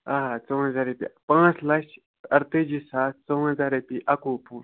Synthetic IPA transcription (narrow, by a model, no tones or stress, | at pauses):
aːɦat͡soːɦɐzaːɾepḭpãːt͡slɐʃ | ɐɾt̪ed͡ʒisaːt͡soːɦɐzaːɾepiʔɐkoːpʰuː